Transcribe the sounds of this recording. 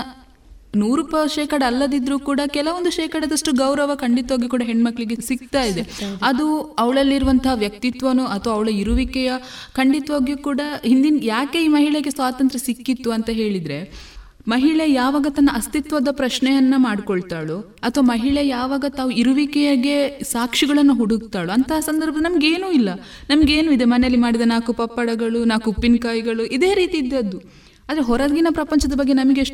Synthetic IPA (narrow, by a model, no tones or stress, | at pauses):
nuːɾupɐʃeːkɐɽɐːlːɐd̪id̪ɾuːkuːɽɐkɛlɐʋond̪uʃɛːkɐɽɐd̪ɐʂʈuɡɐwɾɐʋɐkɐɳɖit̪ʋaːɡikuːɽɐɦeɳːmɐkːɭiɡesik̚t̪aːjid̪eɐd̪uɐʋɐɭɐlːiɾuʋɐnt̪ʰɐɦɐʋjɐk̚t̪it̪ʋɐnuɐt̪ʰʋɐɐʋɐɭɐiɾuʋikɛjɐkɐɳɖit̪ʋaːɡukuːɽɐɦind̪injaːke̞iːmɐɦiɭeɡesʋaːt̪ɐnt̪ɾɐsikːit̪ːuɐnt̪ɐɦe̞ːɭid̪ɾe̞ | mɐɦiɭɛjaːʋaːɡɐt̪ɐnːɐɐst̪it̪ʋɐd̪ɐpɾɐʃɳɛjɐnːɐmaːɽkoɭt̪aːɭu | ɐt̪ʰʋɐmɐɦiɭɛjaːʋaːɡɐt̪aːʋuiɾuʋikɛjaːɡe̞saːkʂiɡɐɭɐnːuɦuɽuɡt̪aːɭuɐnt̪ɐɦɐsɐnd̪ɐɾbʱɐd̪nɐmɐɡe̞ːnuːilːɐ | nɐmɐɡe̞ːnuid̪emɐneɐlːimaːɽid̪enaːkupɐpːɐɽɐɡɐɭunaːkupːinkaːjiɡɐɭuʔid̪e̞ːɾiːt̪iːd̪ːeɐd̪ːu | aːd̪ɾeɦɔɾɐd̪ɡinɐpɾɐpɐɲt͡ʃɐd̪ɐbɐɡːenɐmɐɡeʂ